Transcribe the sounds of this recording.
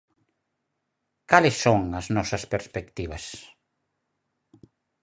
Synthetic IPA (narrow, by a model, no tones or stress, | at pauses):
kalesːoŋɐznɔsɐspeɾspekt̪iβ̞ɐs